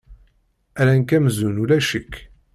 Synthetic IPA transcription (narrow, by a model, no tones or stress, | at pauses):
æɾænkæmzunulæʃəkː